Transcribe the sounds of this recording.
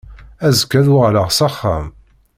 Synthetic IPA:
æzəkːæðʊʁləʁsɑχːa̰m

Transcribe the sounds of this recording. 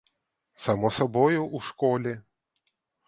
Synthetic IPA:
samɔsabɔjuʔuʂkɔlʲɛ

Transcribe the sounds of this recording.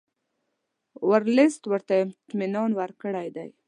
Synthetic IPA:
waɾlɪst̪wəɾt̪aɪmt̪mɪnɑnwaɾkəɽajd̪aj

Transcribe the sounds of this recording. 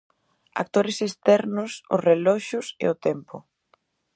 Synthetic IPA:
a̰k̚t̪oɾɪsest̪ɛɾnʊsʊ̰srelɔʃʊsḛʊt̪ɛmpʊ

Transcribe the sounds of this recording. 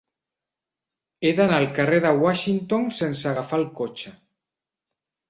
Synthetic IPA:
eðanalkareðaɣwaʃint̪oŋsensaɣafalkot͡ʃa

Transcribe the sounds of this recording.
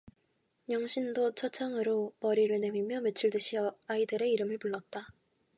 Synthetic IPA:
jʌŋɕʰindot͡ɕʰʌt͡ɕʰaŋɯɾomʌɾiɾɯɭne̞mimjʌmet͡ɕʰɯɭdɯɕʰiʌaidɯɾe̞iɾɯmɯɭpuɭːʌt̚t͈a

